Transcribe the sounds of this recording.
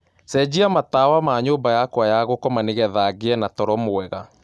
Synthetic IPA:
sɛd͡ʑiamatawamaɲoːmbajakwajaɣokɔmaneɣɛðaɡeɛnatɔɾɔmoɛɣa

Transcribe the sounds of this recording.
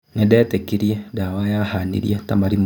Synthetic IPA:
ŋedetekiɾijedawajahanḭɾjatamaɾim

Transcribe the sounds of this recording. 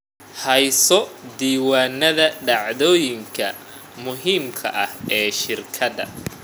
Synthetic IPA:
hɛjsɔd̪iːwaːnːɐðɐɖɑʕðɔːjɪŋkʰɐ̰ | mʊɦiːmkʰɐ̰ʔɐhɛːʃɪrkʰɐdɐ̰

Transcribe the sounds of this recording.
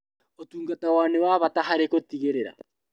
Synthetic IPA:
otuːŋɡatawaːnewaβataɦaɾekotiɣeɾeɾa̰

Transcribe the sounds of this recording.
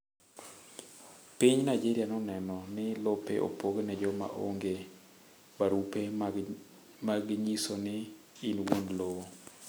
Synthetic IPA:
piɲnaid͡ʒeɾijanɔnɛnɔnɪlopḛʔo̰poɡnɛd͡ʒɔma̰ʔo̰ŋɡe | baɾupe | maɡɲisonɪ | inwonlowo

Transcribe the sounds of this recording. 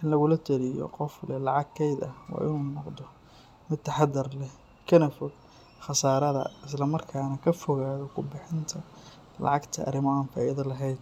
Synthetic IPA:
ʔɪnlɐɣʊlɐt̪ʰɐlɪjɔ̰qɔflɛlɑʕɑɡkʰɛjd̪ɐwɑ̰ːʔɪnuːnɔqd̪ɔ | mɪd̪̚t̪ʰːɐħɑd̪ɐrlɛ | kʰɐnɐfɔɡ | xɑsaːɾɐðɐ̰ɪs̬lɐmɐrkʰaːnɐkʰɐfɔɣaːðɔkʰʊbɪħɪnt̪ʰɐ | lɑ̰ʕɑɡt̪ʰɐʔɐ̰ɾɪmɔaːnfɐjɐðɐlɐɦɛjd̪̚

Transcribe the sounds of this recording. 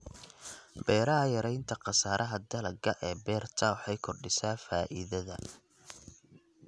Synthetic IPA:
bɛːɾɐɦɐjɐɾɛjnt̪ʰɐqɑsaːɾʔɐɦɐd̪ɐlɐɡɐʔɛːbɛːrt̪ʰɐwħɑjkʰɔrɖɪsaːfaːʔɪ̰ðɐðɐ

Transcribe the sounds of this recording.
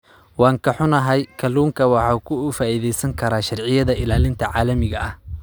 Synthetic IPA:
wɑːŋkʰɐħʊnɐɦɛjkʰɐluːŋkʰɐwɑħɑːkʰʊːfaːiːðɛjsɐŋkʰɐɾaːʃɑrʕɪjɐðɐʔɪlaːlɪnt̪ʰɐʕɑːlɐmɪɣɐʔɐh

